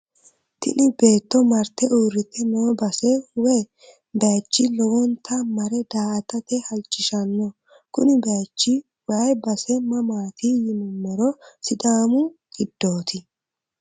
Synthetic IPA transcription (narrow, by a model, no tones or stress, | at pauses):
t̪ɪ̰nɪbe̞ːt̪ːɔmɐɾt̪ːɛʔuːɾːɪt̪ːɛnoːbɐsɛwɛ | beːt͡ʃːɪlɔwɔnt̪ʰɐmɐɾɛd̪aːɐt̪ɐt̪ɛhɐlt͡ʃʼːɪʃɐnːɔ | kʊnɪbeːt͡ʃːɪ | wɐjbɐsɛmɐmaːt̪ijɪmʊmːɔɾɔsɪd̪aːmʊɡ̥ɪd̪̥ːo̞ːt̪ɪ